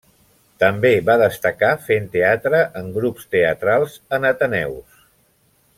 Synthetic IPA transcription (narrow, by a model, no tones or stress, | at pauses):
t̪əmbeβaðəst̪əkafent̪eat̪ɾəʔəŋɡɾupst̪eət̪ɾalˠzənət̪ənɛ̰ws